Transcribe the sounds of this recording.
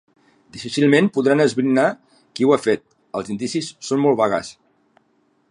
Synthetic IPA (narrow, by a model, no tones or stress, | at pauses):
d̪ifisilˠmenpuðɾanəzβɾina | kiwafet̪̚ | əlˠzind̪isisːonmolˠβaɣa̰s